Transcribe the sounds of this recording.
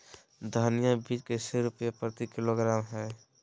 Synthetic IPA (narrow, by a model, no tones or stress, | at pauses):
d̪ʱanijãbiːd͡ʒkeseɾʊpjapɾət̪ikɪloɡɾaːmɦɛː